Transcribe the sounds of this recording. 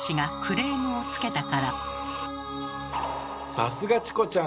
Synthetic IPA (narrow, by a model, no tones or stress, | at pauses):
ɕiɡakʰɯ̟ɾe̞ːmɯot͡sɨ̥ke̞t̪akaɾa | sasɨɡat͡ɕi̥ko̞t͡ɕã